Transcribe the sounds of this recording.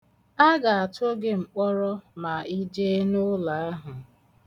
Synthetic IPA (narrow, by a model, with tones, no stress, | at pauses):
a˦ɡa˨a˨tʊ˦ɡe˦ŋ͡m̩˨k͡pɔ˦ɾɔ˦ma˨i˦d͡ʒe˦nʊ˦la˨a˦ɦʊ˨